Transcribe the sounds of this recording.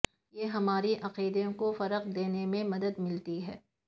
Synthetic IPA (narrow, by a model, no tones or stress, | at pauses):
jeɦɐmaːɾiʔɐqiːd̪eõkofɐɾəqd̪eːnemẽmɐd̪əd̪mɪlt̪iɦɛː